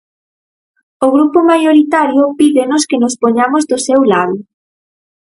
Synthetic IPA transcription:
oɣɾupomajoɾit̪aɾjʊpiðenʊskenʊspoɲamozðʊsewlaðʊ

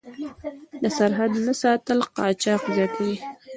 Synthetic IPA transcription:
d̪əsaɾɦad̪nasɑt̪əlqɑt͡ʃɑqzjɑt̪ʰawi

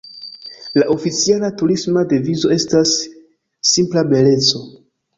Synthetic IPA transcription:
laʔo̞fit͡sialatuɾismadevizo̞e̞stasː | implabe̞le̞t͡so̞

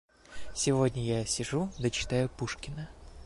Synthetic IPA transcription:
sʲɪvo̞dʲnʲəjasʲɪʐud̪ət͡ɕɪ̥t̪ajʊpuʂkʲɪnə

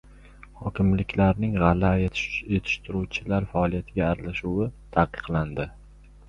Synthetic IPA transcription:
hɒkʲʰɪmlɪkʲlaɾnɪŋʁɑlːaet̪ʰe̞t̪ʰɪ̥ʃt̪ʰɪɾuwt͡ʃʰɪlaɾfaɒlˠijat̪ʰɪɡʲaːɾalaʃuwɪt̪ʰaqːɨ̥qlˠand̪ɪ

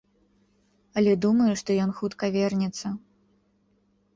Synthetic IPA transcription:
ɐlʲɛd̪umɐjuʂt̪ɔjɔnxut̪kɐvʲɛrnʲɛt̪sːɐ

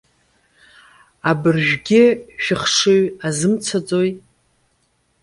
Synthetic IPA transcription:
abɨrʒᶣɡʲɪʃᶣɪχʂɨɥazɨmt͡sʰad͡zo̞j

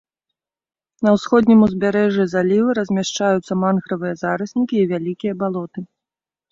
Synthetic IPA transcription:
nɐwsxɔd̪ʲnʲimuzʲbʲaɾɛʐizalʲivɨɾɐzʲmʲaʂt͡ʂajut̪sːɐmanxɾɐvɨjɐzaɾɨsʲnʲikʲiːvʲalʲikʲijɐbalˠɔt̪ɨ

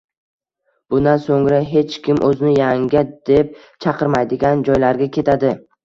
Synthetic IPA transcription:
b̥ʊnd̪ansoŋɾaɦe̞t͡ʃkʲʰɪmʔɵzɪnɪjaŋɡʲad̪̥e̞p̚ | t͡ʃʰɑqʰɨɾmajd̪ɪɡʲand͡ʒɒjlaɾɡʲakʲʰe̞t̪ʰad̪ɪ

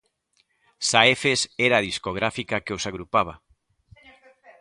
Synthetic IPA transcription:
saefesɛɾaːðiskoɣ̞ɾafikakeosaɣɾupaβ̞ɐ̰

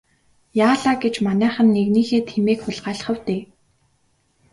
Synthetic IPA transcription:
jaːɮaːɡet͡ɕmanæːχə̆nːeɣniːxeːt̪ʰxemeːkxʊɮɢaːɮ̆χə̆wt̪eː

